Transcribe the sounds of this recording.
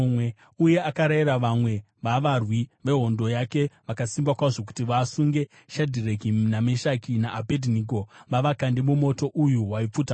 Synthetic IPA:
we | uje̞akaɾaiɾaʋamwe̞ | ʋaʋarwiʋe̞ɦo̞ndo̞jake̞ʋakasimbakwaoʐo̞k̬u̥tiʋaːsuŋɡe̞ | ʃadʱirekinameʃakinaʔːbʱedʱiniko̞ʋaʋakandemumo̞to̞ʔujuɦwaip͡futa

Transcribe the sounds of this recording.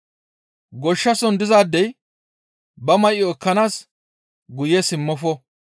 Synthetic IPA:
ɡɔʃːɐsɔnd̪ɪzaːd̪ːɛj | bɐmɐjɪɔkːɐnaːs | ɡʊjɛsɪmːɔfɔ

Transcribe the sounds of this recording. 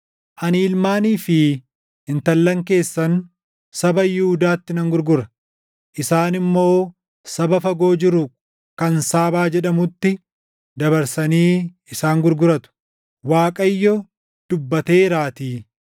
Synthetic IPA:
ʔɐniːlmaːniːfɪ | ɪnt̪ɐlːɐŋke̞ːsːɐn | sɐbɐjɪhʊd̪aːt̪ːɪnɐŋɡʊɾɡʊɾɐ | ʔɪsaːnɪmːo̞ː | sɐbɐfɐɡo̞ːd͡ʒɪɾʊ | kɐnsaːbaːd͡ʒɛᶑɐmʊt̪ːɪ | d̪ɐbɐɾsɐniː | ɪsaːŋɡʊɾɡʊɾɐt̪ʊ̥ | waːkʼɐjːɔ | d̪̥ʊbːɐt̪e̞ːɾaːt̪iː

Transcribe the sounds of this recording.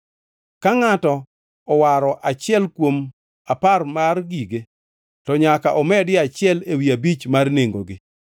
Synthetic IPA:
kaŋatɔ | ɔwaɾɔʔat͡ʃɪɛlkwom | aparmarɡiɡe | tɔɲakaʔɔmɛdɪat͡ʃɪɛlewiabit͡ʃmarneŋɡoɡɪ

